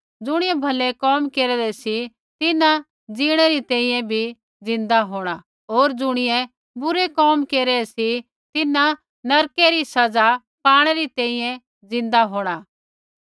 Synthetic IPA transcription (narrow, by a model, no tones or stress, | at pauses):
d͡zʊɽ̃ɪjɛ̃bʱɐlɛkɔːmkeːɾɛɾɛsi | t̪ɪna | d͡ziːɽ̃ɛɾit̪ɛ̃ːĩjɛ̃bʱi | d͡zɪ̃nd̪aɦoːɽ̃a | ɦoːɾd͡zʊɽ̃ɪjɛ̃ | bʊɾekɔːmkeːɾɛɛsi | t̪ɪna | nɐɾkeɾisɐd͡za | paːɽ̃ɛɾit̪ɛ̃ĩjɛ̃ | d͡zɪ̃nd̪aɦoːɽ̃aː